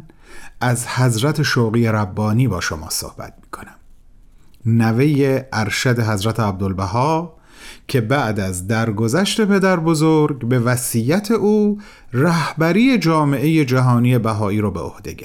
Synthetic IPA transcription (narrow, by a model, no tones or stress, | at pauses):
ʔæzhæzɾæt̪ʰe̞ʃoɣiːjeɾæbːɒːniːbɒːʃomɒ̰ːso̰hb̥æ̰t̪̚ʰmi̥ːkʰo̞̥næm | næve̞jeʔæɾʃæd̪e̞ɦæzɾæt̪ʰeæb̚d̪olbæɦɒː | cʰe̞bæʔd̪æzd̪æɾɡozæʃt̪e̞pʰe̞d̪æɾbozoɾɡbe̞væsiːjæt̪ʰe̞ʔuː | ræhbæɾiːje̞d͡ʒɒːme̞ʔe̞je̞d͡ʒæɦɒːniːe̞bæɦɒːiːɾɔːbḛo̰hd̪̥ḛɡe